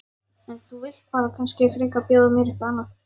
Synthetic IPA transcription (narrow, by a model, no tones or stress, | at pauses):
ɛnθuvɪl̥t̪faːɾakʰanscɪfɾɪːkapjaːðʏmɛɾɪhkaanːaθ